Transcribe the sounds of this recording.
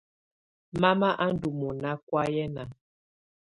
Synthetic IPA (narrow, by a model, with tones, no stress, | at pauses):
ma˦ma˦ʔa˦n̩˦du˨mɔ˨na˦kwa˦jɛ˦na˨